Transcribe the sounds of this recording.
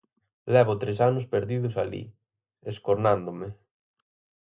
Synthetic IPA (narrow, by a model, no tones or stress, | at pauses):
lɛβ̞ʊt̪ɾesanʊspeɾðiðʊsalḭ | eskoɾnãnd̪ome